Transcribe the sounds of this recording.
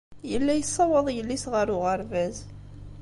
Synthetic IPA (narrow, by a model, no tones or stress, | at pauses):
jəlːæjəsˤːɑwəðˤjəlːisʁəɾʊʁəɾvæz